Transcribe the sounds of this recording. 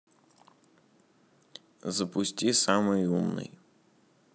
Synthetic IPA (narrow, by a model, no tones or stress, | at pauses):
zɐpʊsʲtʲisɑmɪjumnɪ̰j